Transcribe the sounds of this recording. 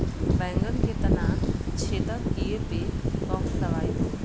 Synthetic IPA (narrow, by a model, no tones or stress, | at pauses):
bɛ̃ːŋɡənkʰet̪ɐnaːnt͡ʃʰeːt̪əkiepekɔ̃mlɐʋaːjoː